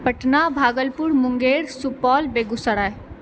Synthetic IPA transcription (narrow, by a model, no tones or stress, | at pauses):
pəʈnaːbʱaːɡəlpʊɾmʊ̃ŋɡeːɾsupɔːlbeːɡʊsəɽa